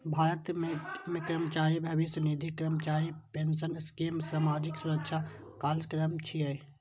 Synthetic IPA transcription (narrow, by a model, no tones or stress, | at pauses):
bʱaːɾət̪memẽkɾəmət͡ʃaːɾibʱɐʋisnid̪ʱikɾəmt͡ʃaːɾipensənɪskiːmsaːmaːd͡ʒɪksʊɾəkʃa | kaːlskɾəmt͡ʃʰiae